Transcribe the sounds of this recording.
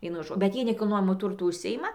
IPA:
ˈʋʲiɛnʊ ˈʒoː bʲɛt ˈjiɛ nʲɛkʲɪlˠˈnoːjɛmʊ ˈtʊrtʊ ʊʃʲˈsʲɪjɪmɐ

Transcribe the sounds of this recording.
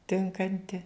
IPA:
ˈtʲɪŋkɐnʲtʲɪ

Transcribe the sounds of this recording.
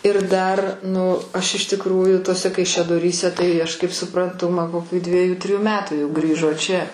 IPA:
ɪr ˈdɐr ˈnʊ ˈɐʃ ɪʃ tʲɪkˈruːjʊ tuɔˈsʲɛ kɐɪʃʲɛdoːˈrʲiːsʲɛ tɐɪ ɐʃ kɐɪp sʊprɐnˈtʊ mɐn koːˈkʲuː ˈdʲʋʲiɛjʊ ˈtʲrʲiːjʊ ˈmʲæːtuː jɛʊ ˈɡrʲiːʒoː t͡ʃʲɛ

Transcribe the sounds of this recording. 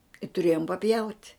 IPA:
ɪ tʊˈrʲeːjoːm pɐˈpʲjɛʊtʲ

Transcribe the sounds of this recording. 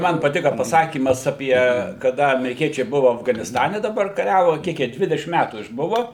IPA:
ˈmɐn pɐˈtʲɪkɐ pɐˈsɑːkʲiːmɐs ɐˈpʲiɛ kɐˈdɐ ɐmʲɛrʲɪˈkʲiɛt͡ʃʲɛɪ ˈbʊʋʊ ɐfɡɐnʲɪsˈtɑːnʲɛ dɐˈbɐr kɐˈrʲæːʋʊ ˈkʲiɛk jiɛ ˈdʲʋʲɪdʲɛʃʲɪm ˈmʲætuː ɪʒˈbʊʋɐ

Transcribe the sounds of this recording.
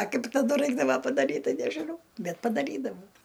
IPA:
ɐ ˈkɐɪp tɐˈdʊ ˈrɐɪɡdɐʋɐ pɐdɐˈrʲiːt ˈtɐɪ nʲɛʒʲɪˈnɐʊ ˈbʲɛt pɐdɐˈrʲiːdɐʋɐʊ

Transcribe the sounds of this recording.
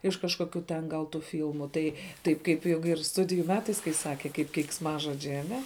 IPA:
ɪʃ kɐʃkoːˈkʲuː tʲɛn ɡɐlˠ tuː ˈfʲiːlˠmʊ tɐɪ ˈtɐɪp ˈkɐɪp ˈjoːk ɪr ˈstʊdʲɪjuː ˈmʲæːtɐɪs kɐɪ ˈsɑːkʲɛ kɐɪp kʲɛɪksˈmɑːʒoːd͡ʒʲɛɪ ɐˈnʲɛ

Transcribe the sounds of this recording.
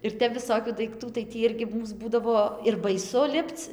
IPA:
ɪr ˈtʲɛp ʋʲɪˈsoːkʲuː dɐɪkˈtuː tɐɪ ˈtʲiː ˈɪrʲɡʲɪ ˈmuːs ˈbuːdɐʋoː ɪr bɐɪˈsʊ ˈlʲɪpt͡s

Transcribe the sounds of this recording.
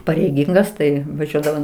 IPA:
pɐrʲɛɪˈɡʲɪŋɡɐs ˈtɐɪ ʋɐˈʒʲuɔdɐʋoːm

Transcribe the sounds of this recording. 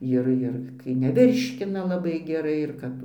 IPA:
ˈɪr ɪr kɐɪ nʲɛˈʋʲɪrʲʃʲkʲɪnɐ lˠɐˈbɐɪ ɡʲɛˈrɐɪ ɪr ˈkɐp

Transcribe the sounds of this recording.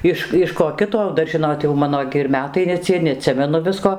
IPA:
ˈɪʃ ɪʃ koː ˈkʲɪtoː ˈdɐr ˈʒʲɪnoːt jɛʊ ˈmɑːnoː ɡʲɪ ɪr ˈmʲæːtɐɪ nʲɛ ˈt͡sʲiɛ nʲɛɐˈtʲsʲɪmʲɛnʊ ˈʋʲɪskoː

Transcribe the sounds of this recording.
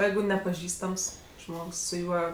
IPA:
ˈjɛɪɡʊ nʲɛpɐˈʒʲiːstɐms ˈʒmoːks sʊ ˈjuɔ

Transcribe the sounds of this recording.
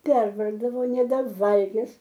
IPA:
ˈpʲɛrʋɐrɡdɐʋoː nʲɛbʲɛˈʋɐlʲɡʲɪs

